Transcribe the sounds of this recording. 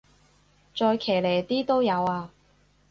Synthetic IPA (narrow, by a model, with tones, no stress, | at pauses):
t͡sɔː˧jkʰeː˨˩jle˨˩jt̪iː˥t̪o˥wjɐ˨˧waː˧